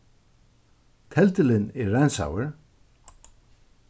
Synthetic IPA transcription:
t̪ʰɛlt̪ɪlɪnɛɾːɛnsa̰ːwɪɹ̥

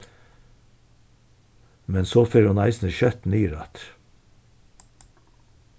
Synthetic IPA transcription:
mɛnsoːfeːɾʊnæɪsn̩əʃœt̪n̩yːɾɑt̪

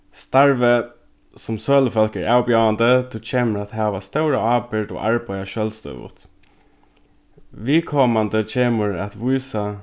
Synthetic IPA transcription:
st̪aɹʋə | sʊmsøːləfœlkə̰ɹaːwbjawand̪ət̪ʰut͡ʃʰeːməɾat̪ɦæːʋast̪œʊɾəɑːbɪɾd̪ɔ̰ːʔaɹbaɪaʃœlst̪œ̰ʏʋʊ̰t̪ | ʋiːkʰɔːmand̪ət͡ʃʰeːməɹat̪ʋuɪsa

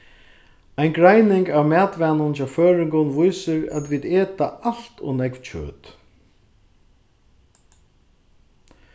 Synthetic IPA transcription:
ajnɡɾajnɪŋkavmæːt̪ʋæːnʊnt͡ʃaføːɹɪŋkʊnʋʊjsɪɾæ̰t̪ʋiːd̪eːt̪aʔal̥t̪ɔ̰nɛkvt͡ɕʰø̰ːt̪

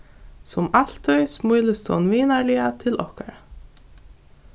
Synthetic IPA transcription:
sɔmal̥t̪ʰœʏsmujləst̪ʰɔ̰nviːnaɹlɪat̪ʰɪlʔɔ̰hka̰ɾa

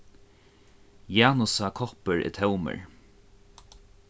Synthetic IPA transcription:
jaːnʊsakʰɔpəɹɪ̰t̪ʰɛwmə̰ɹ

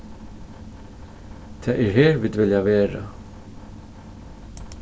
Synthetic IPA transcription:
t̪ʰɛːʔɪɾɦɛːɾvɪːd̪vɪljavɛːɾa̰

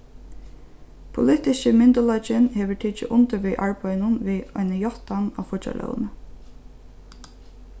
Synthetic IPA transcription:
pʰʊlɪht̪ɪʃəmɪnt̪ʊlɔt͡ʃɪnheːʋəʈʰiːt͡ʃɪ̰ʔʊnt̪əɾʋiːʔaɹpœjnʊnʋiːɔ̰jnəjɔht̪ana̰fʊt͡ʃa̰lʔœ̰w̰nə

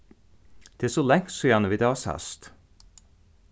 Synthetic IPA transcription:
d̪̥eæːsolɛŋt̪soːjænəʋiːd̪ɑːshœ̰st̪

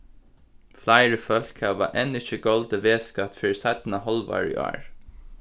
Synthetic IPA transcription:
flaɪɹəfœl̥kʰəʋɑ̰ːʔɛnɪçəɡɔld̪əʋeːskɑt̪fœːɹsaɪt̪n̩ɑhɔlʋɑ̰ːɹḭʔa̰ːɹ

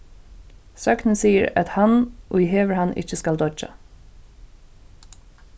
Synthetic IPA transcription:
sɑknəsiːəɹɑ̰t̪hɑnʔo̰ːɪheːʋəɹhɑnʔɪ̰çəskɑld̪ɔd͡ʒɑ̰

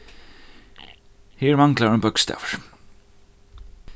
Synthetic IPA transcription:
hiɛɾmaŋklaɾʏmpœkst̪a̰ːvaɾ̥

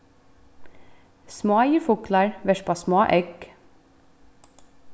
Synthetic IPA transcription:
smoːjəfʊklɑɹʋɛʃpɑːsmoːʔɛɡ

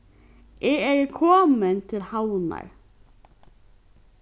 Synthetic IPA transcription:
ʔeːeːɡkʰɔːmənt̪ʰɪlhaʊnɑ̰ɪ

